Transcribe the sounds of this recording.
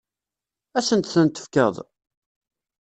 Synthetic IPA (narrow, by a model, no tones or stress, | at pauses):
æsənt̪θənt̪ə̥fkə̰ðˤ